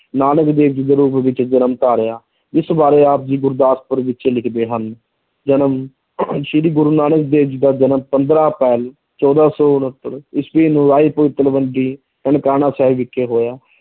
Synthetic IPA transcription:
naːnəkd̪eːʋd͡ʒid̪eːɾuːpʋɪt͡ʃd͡ʒənəmt̪aːɾejaː | ɪsbaːɾeːaːp̚d͡ʒiːɡʊɾd̪aːspəɾʋɪt͡ʃːlɪkʰd̪eːɦən | d͡ʒənəm | ʃɪɾiːɡʊɾuːnaːnək̚d̪eːʋd͡ʒiːd̪aːd͡ʒənəmpənd̪ɾãːpɛːl | t͡ʃɔːd̪aːsɔːʊnɦət̪ːəɾɪsbiːnũːɾaːiːpəɪt̪ːəlʋəɳɖiː | əɳkaːnãːsɛːʋɪkʰːeːɦoːjaː

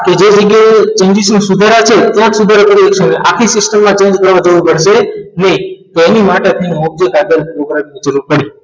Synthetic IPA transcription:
ked͡ʒed͡ʒəɡat͡ʃə̃nd͡ʒiʃũsud̪ʱaɾat͡ʃʰet̪jãsud̪ʱaɾapəɾiəkʃəneʔakʰisɪsʈəmːãt͡ʃẽɲd͡ʒkəɾʋad͡ʒoʋupəɽʃenəĩt̪oenimaʈeat̪ʰinob̚d͡ʒekaɡ̪əɾɾoɡɾaminid͡ʒəɾuɾpəɽi

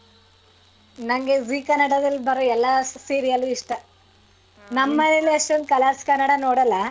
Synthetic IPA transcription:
nɐŋɡeziːkɐnɐɽɐd̪ɐlːbɐɾoɛlːɐsiːɾijɐluiʂʈɐ | nɐmːɐɾileʂʈɐnkɐlaːskɐnːɐɽɐnoːɽɐlːɐ

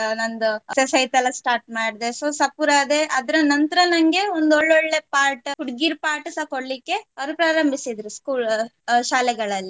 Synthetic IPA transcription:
nɐnd̪usesɐjt̪ɐlːɐsʈaːɾʈmaːɽid̪esoːsɐpuɾad̪e̞ʔɐd̪ɾɐnɐnt̪ɾɐnɐŋɡe̞ond̪oɭːoɭːe̞paːɾʈkuɽɡiɾpaːɾʈɐsɐkoɽlikːe̞ɐɾupɾaːɾɐmbʱisid̪ɾuskuːlʃaːlɛɡɐɭɐlːi

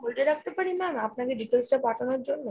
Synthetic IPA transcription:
bolʈeɾak̚t̪epaɽimɛmapnakeɖiʈelsʈapaʈʰanoɾd͡ʑonːo

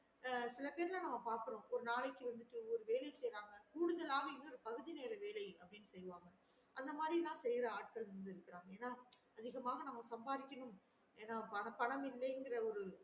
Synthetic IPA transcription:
sɪlɐpeːɾɪlãːnɐmːɐpaːɾkɯɾõʔɔɾɯnaːɭɐɪkːɯʋɐnd̪ɯt̪ːɯɔɾɯʋeːlɐɪsɛjɾaːŋɡɐkuːɽɯðɐlaːɣɐɪnːɐɔɾɯpɐɣɯðineːɾɐʋeːlɐɪɐpːɐɽɪnːɯsɛjʋaːŋɡɐ | ʔɐnd̪ɐmaːd̪ɾilãːsɛjɾɐaːʈ̚kɐɭnɐnd̪ɯɪɾɯkːɯɾaːŋɡɐeːnːaː | ɐðɪɣɐmaːɣɐnɐmːɐsɐmbaːðɪkʲːɐɳɯm | eːnːaːpɐnpɐɳɐmɪlːɐɪŋɡɪrɐɔɾɯ

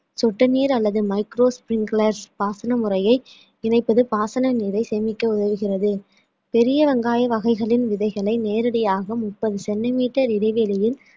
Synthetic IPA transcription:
sɔʈːɯniːɾɐlːɐðɯmɐɪkɾoːspɾɪŋɡlɐɾspaːsɐnɐmʊɾɐjɐɪ | ɪnɐɪpːɐðɯpaːsɐnɐniːɾɐɪsɛmɪkːɐʊðɐʋɯɣɪrɐðɯ | pɛɾɪjɐʋɐŋɡaːjɐʋɐɣɐɪɣɐɭɪnʋɪðɐɪɣɐɭɐɪneːɾɐɽɐjaːɣɐmʊpːɐðɯsɛɳɖɪmiːʈːɐɾɪɽɐɪʋeːlɪjɪl

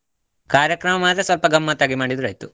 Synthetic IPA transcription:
kaːɾjɐkɾɐmɐmaːd̪ɾesʋɐlpɐɡɐmːaːt̪ːaːɡimaːɽid̪uɾɐjt̪u

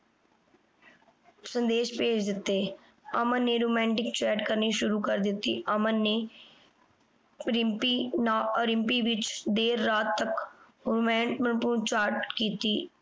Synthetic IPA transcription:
sə̃nd̪eːʃpeːd͡ʒd̪ɪt̪ːeː | əmənːeːɾoːmɛ̃ːɳʈɪkt͡ʃɛːɖkəɾniːʃʊɾuːkəɾd̪ɪt̪ːiːʔəmənːeː | ɾɪmpiːnaːoɾɪ̃mpiːʋɪt͡ʃd̪eːɾːaːt̪ːək | oːmɛ̃ːɳʈmənpũːt͡ʃaːɾʈkiːt̪iː

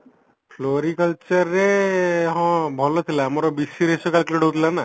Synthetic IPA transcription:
pʰloɾikəlt͡ʃɔɾːeɦɔ̃bʱɔlɔt̪ʰilamɔɾɔbisiɾesɔkalkliɽɔɦut̪ʰilana

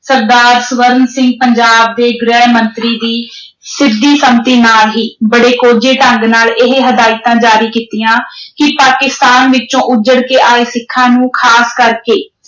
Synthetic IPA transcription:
səɾd̪aːɾsʋəɾənsɪ̃ŋɡ̚pəɲd͡ʒaːb̚d̪eːɡɾɛːɦmənt̪ɾiːd̪iː | sɪd̪iːsəmt̪iːnaːlɦiːbəɽeːkoːd͡ʒeːʈəŋɡnaːlɪɦeɦəd̪aːɪt̪ãːd͡ʒaːɾiːkiːt̪ijãːkɪpaːkɪst̪aːnʋɪt͡ʃõːʔʊd͡ʒəɽkeːʔaːeːsɪkʰːãːnũːkʰaːskəɾkeː

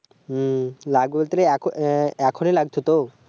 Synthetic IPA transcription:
laɡbolt̪ɾeɛkʰɛkʰonelaɡt̪ʰot̪o

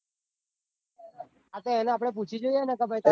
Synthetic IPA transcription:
at̪eɛneap̬ɽ̃ep̬ut͡ʃʰid͡ʒojenakəbʱajt̪a

